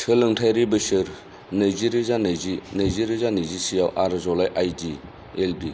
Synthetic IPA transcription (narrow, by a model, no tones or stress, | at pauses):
sʰɯlɯŋtʰajɾibɯsɯɾ | najziɾizanazinajziɾizanajzisijawʔaɾzɔlajʔajdi | elbi